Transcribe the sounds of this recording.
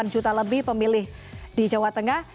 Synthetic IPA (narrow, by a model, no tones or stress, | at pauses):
and͡ʒut̪aləbɪhpəmilɪhdid͡ʒawat̪əŋah